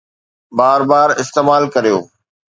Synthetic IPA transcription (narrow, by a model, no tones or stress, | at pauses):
baːɾbaːɾɪst̪eːmaːlkɐɾijo̰ː